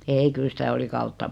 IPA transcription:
ei kyl sitæ oli kɑutːɑ

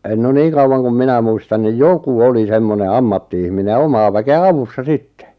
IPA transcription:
no niːŋ kɑuwɑn kum minæ muistɑn nij joku oli semːone ɑmːɑtːiihmine j̆ɑ̆ omɑː ʋækeæ ɑʋusːɑ sitːe̥

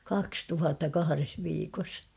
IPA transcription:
kɑks tuhɑtːɑ kɑhɑres ʋiːkos

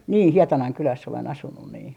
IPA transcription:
niː hietɑnɑŋ kylæsː olen ɑsunːun niː

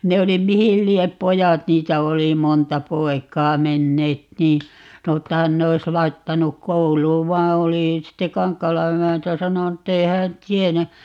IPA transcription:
ne oli mihil liep pojɑt niːtæ oli montɑ poi̯kˑɑː menːeːt niː sɑno tːɑ hæn ne ois lɑitːɑnuk kouluːʋ ʋɑː oli sitːe kɑŋkːɑːlɑ emæntæ sɑnonu tːei hæːn tienæ

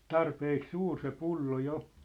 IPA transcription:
tɑrpeːk suːr se pulːo jo

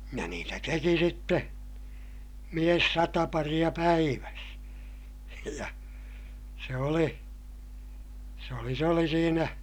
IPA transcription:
jɑ niːtæ teki sitːe mies sɑtɑ pɑrij̆ɑ pæiʋæs jɑ se oli se oli s oli siːnæ

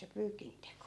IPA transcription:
se pyːkinteko

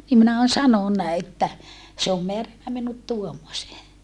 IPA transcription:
nim minæ on sɑnonːɑ etːæ se om meærænːæ minut tuomːoseː

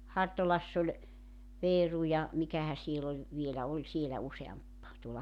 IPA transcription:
hɑrtolɑsː olʲ ʋeːru jɑ mikæhæ siel olʲ ʋielæ olʲ sielæ useɑmp tuolɑ

